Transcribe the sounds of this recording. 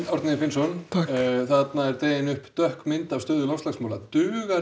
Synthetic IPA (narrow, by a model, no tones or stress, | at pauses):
t̪ɔwɾt̪nɪɪfɪnsɔnʰaθat̪naɛɾt̪eːjɪnʏhpt̪œhkmɪnt̪avst̪ʏːðʏlawst̪aksmawlat̪ʏːɣa